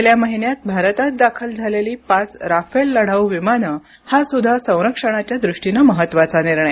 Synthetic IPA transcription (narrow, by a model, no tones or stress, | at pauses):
ljaməɦinjat̪̚bʱaɾt̪at̪̚d̪akʰəld͡zʱaleliːpat͡sɾafelːəɽ̤awʋimanə | hasud̪ʱːasə̃w̃ɾəkʂəɽ̃at͡ɕjad̪ɾuʂʈinəməɦət̪ːʋat͡saniɾɳəj